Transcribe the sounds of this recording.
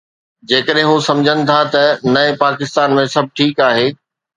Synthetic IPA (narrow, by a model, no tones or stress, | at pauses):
d͡ʑeːkəɗɦɪ̃ɦusɐ̃md͡ʑʱənɪ̆t̪ʰat̪ɐnɐɪpaːkɪst̪aːnmẽsɐbʱʈʰiːkaːɦeː